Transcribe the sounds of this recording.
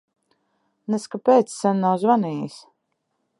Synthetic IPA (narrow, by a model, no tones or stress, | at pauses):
nɛskapeːt̪sːanːawzvaniːjis